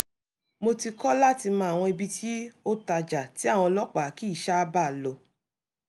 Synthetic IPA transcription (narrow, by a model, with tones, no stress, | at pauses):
mo˧ti˧kɔ˦la˦ti˧mã˧˦a˨w̃ɔ̃˧i˧bi˧tʰi˦o˦ta˧d͡ʒa˨ti˨˦a˦˨w̃ɔ̃˧lɔ˦k͡pa˨˦˨ki˦˨ʃa˦ba˦˨lo˨